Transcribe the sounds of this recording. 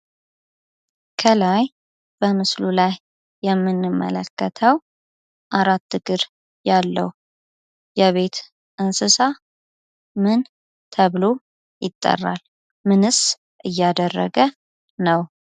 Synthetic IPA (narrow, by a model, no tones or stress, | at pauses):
kʰəlaj | b̥əmɨslulajː | ɛmːɨnːɨmːə̰ləkːət̪ʰəw | ʔaɾat̪ːɨɡɨɾ | jalːə̰w | jɛβe̞t̪ | ʔɨnsɨsa | mɨn | t̪ʰəβlo̞ | jɪt̪ʼːə̰rːa̰l | mɨnɨs | ʔɨjːad̪ərːə̰ɡə | nəw